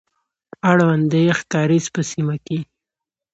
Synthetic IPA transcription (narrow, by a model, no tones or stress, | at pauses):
aɽwand̪əjxt̪ɑɾizpəsimake